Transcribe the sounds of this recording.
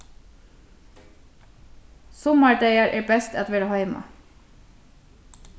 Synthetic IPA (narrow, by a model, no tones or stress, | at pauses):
sʊmɑɖeɪəɾʔeːbɛst̪ɛt̪ʋɪɽhɑʏmɑ̰